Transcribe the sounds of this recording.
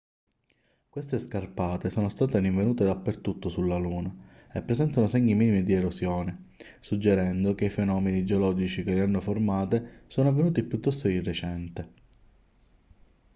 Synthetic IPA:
kwest̪eskarpaːt̪esoːnost̪aːt̪eɾiɱvenuːt̪ed̪apːert̪ut̪ːosulːaluːnaepːɾesɛnt̪anoseɲːimiːnimid̪ieɾosjɔːne | sud͡ʒːeɾɛnd̪ok̟eifenɔːmenid͡ʒeolɔd͡ʒit͡ʃik̟eleanːoformaːt̪esoːnʊavːenuːt̪ipjut̪ːɔst̪oirːet͡ʃɛnt̪e

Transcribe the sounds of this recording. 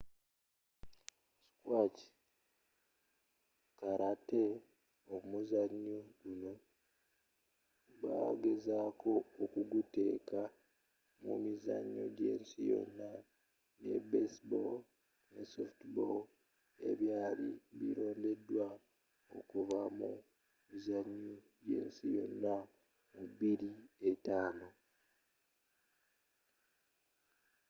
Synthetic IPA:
skwaci̥ | kaɾate | omuzaɲːoɡuno̞ | βa̰ɡezaːkʰo̞ːkuɡute̞ːka | mṵmiza̰ɲːo̞̰ɟe̞ːnsijo̞̰nːa | nḛbesbol | nesoftbol | e̞̰βjaːliβiɾo̞ːnde̞dːwa | o̞kuvamu | mizaɲːo | ɟe̞̰ːnsijo̞nːa | mubiɾietaːno

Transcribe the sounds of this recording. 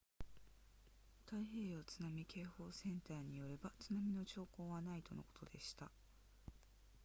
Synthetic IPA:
t̪aihe̞ːjot͡sɨnamʲikʰe̞ːho̞ːsẽ̞nt̪aːɲ̟ijo̞ɾe̞bat͡sɨnamʲino̞t͡ɕo̞ːko̞ːβanait̪o̞no̞̰kot̪o̞d̪e̞ɕi̥t̪a

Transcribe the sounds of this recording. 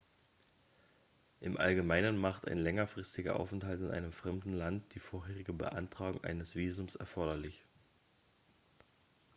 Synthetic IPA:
ʔɪmʔa̰lɡəmaɪnənmaχta̰ɪnlɛŋɐfʁ̥ɪstɪɡɐ̰ʔa̰ʊfɛnthaltɪnʔa̰ɪnəmfʁ̥ɛmdn̩lantd̥iːfoːɐɦeːʁɪɡəbə̰ʔa̰ntʁ̥aːɡʊ̰ŋʔa̰ɪnəsv̥iːzʊmsɛ̰ɐfɔɐɾɐlɪç

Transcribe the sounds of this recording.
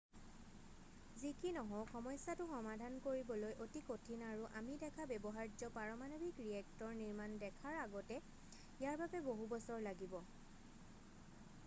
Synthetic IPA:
zikinɔɦɔxɔmɔjsatʊxɔmadʱankoɹibɔlojʔotikotʰinaɹuʔamidɛkʰabɛbɔɦaɹd͡ʒɔpaɹɔmanobʱikɹiɛk̚tɔɹniɹmandɛkʰaɹaɡɔtɛ | ijaɹbabɛboɦubɔsɔɹlaɡibɔ

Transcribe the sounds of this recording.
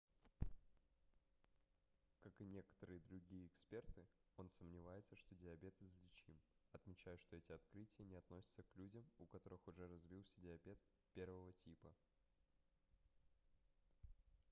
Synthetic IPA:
kakɨnʲe̞kə̥t̪əɾɨjəd̪ɾʊɡʲijəɪkspʲe̞rt̪ɨo̞nsəmnʲɪvajɪt̪səʂt̪o̞dʲɪɐbʲe̞t̪ɨzlʲɪt͡ɕimɐt̪mʲɪt͡ɕæjʊʂt̪o̞ɛtʲɪɐt̪kɾɨtʲɪjənʲɪɐt̪nosʲɪ̥t̪səklʲudʲəmʊkɐt̪o̞ɾɨxʊʐɛɾɐzvʲilˠsʲədʲɪɐbʲe̞t̪ | pʲe̞rvəvətʲipə

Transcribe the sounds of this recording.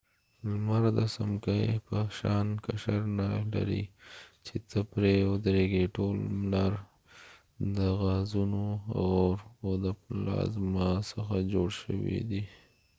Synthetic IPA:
lmaɾd̪əsamkəjpəʃɑːnkaʃaɾnala̰ɾḭt͡ʃet̪əpɾeʊd̪ɾeɡeʈolmlaɾ | d̪əɣazunoa̰ɣoɾod̪əplɑ̰zmasəxad͡ʒoɽʃə̰wḭd̪i

